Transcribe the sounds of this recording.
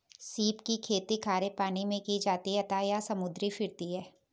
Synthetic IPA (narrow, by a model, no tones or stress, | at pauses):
siːpkikʰeːt̪ikʰaːɾepaːnimẽkid͡ʒaːt̪iɦɛt̪ajasɐmʊd̪ɾifʰɪɾt̪iɦɛː